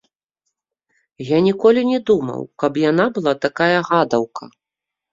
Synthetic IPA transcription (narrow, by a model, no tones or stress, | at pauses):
janʲikɔlʲinʲɛd̪umɐ̰wkɐpjanabɨlˠat̪akajɐɣad̪ɐwkɐ̰